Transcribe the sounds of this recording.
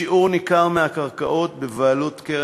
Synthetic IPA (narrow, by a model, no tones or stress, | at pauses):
iʔuʁnikaʁmehakaʁkaʔo̞t̪bevaːlut̪ke